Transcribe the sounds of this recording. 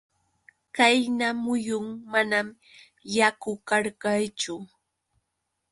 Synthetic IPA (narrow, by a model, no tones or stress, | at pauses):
kajnamʊjʊŋmanam | jakʊkaɾkajt͡ʃʊ